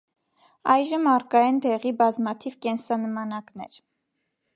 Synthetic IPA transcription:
ɑjʒəmɑrkɑjɛnd̪ɛʁibɑzmɑt̪ʰivkɛnsɑnəmɑnɑknɛ̰ɾ

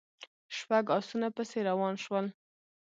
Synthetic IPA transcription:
ʃpaɡɑsunapəseɾawɑnʃwəl

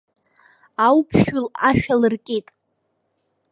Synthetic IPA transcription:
awpʰʃᶣʊlaʃᶣalɨrkʲʼetʼ

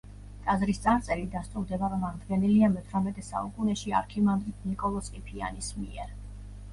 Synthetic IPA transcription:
k̪ʼazɾist̪sʼaɾt̪sʼɛɾid̪ast̪ʼuɾd̪ɛbavmaʁd̪ɡɛniliamɛt̪ʰɾamɛt̪ʼɛsa̰ukʼunɛʃia̰ɾkʰimand̪ɾit̪̚ʰnikʼɔlˠɔsqʼipʰia̰nismḭɛɾ

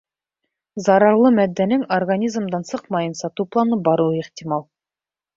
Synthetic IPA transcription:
zɑɾɑɾlˠɤmæd̪ːænɘŋorɡanʲizmd̪ɑnsɤqmɑjɤnsɑt̪uplˠɑnɤbɑɾuweqt̪ʲimɑlˠ

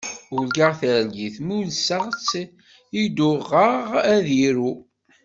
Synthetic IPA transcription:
ʊlɡəʁθəɾlɡiθmulsəʁt͡sː | id̪ʊʁəʁæðiɾu

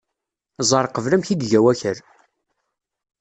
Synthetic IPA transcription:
zˤɑɾˤqəvləmçiɡ̪ʝæwæçəɾ

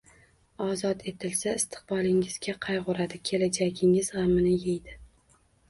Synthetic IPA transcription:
ɒzɒt̪ʰe̞t̪ʰɪlsaɪst̪ʰɪ̥q̚bɒlˠɪŋɪz̥ɡʲaqʰɑjʁʊɾad̪ɪkʲʰe̞lad͡ʒaɡʲɪŋɪz̥ʁamɪnɪjejd̪ɪ

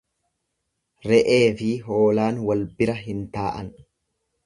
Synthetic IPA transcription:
ɾɛʔe̞ːfɪɦo̞ːlaːnwɐlbɪɾɐɦɪnt̪aːʔɐn

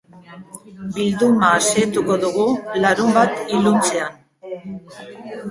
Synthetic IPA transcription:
bild̪umaːse̞t̪uko̞ðuɣulaɾumbat̪ilunt͡se̞an

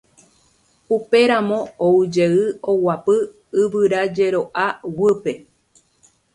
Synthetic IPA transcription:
upe̞ɾãmõ̞oud͡ʒeɨowapɨ | ɨβɨɾad͡ʒe̞ɾo̞ʔawɨpe̞

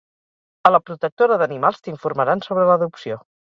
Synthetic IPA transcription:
ələpɾut̪ək̚t̪oɾəðənimalˠst̪iɱfuɾməɾansoβɾələðupsio

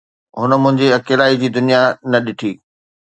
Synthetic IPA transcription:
ɦʊnə̆mʊ̃ɦɪ̃ɲd͡ʑeɐkeːlaːid͡ʑiːd̪ʊnijanɐɗɪʈʰiː

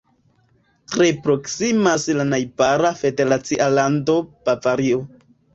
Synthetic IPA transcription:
tɾepɾo̞ksimaslanajbaɾafe̞de̞ɾat͡siʔalando̞papaɾio

